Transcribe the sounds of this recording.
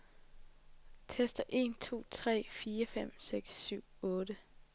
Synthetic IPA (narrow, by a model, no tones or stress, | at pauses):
t͡sʰesd̥ɐʔe̝̰nt͡sʰo̝̰ːt͡sʰʁɛ̰ːfiːɐfem̰seɡ̥sːyʊ̰ɔ̽ːdə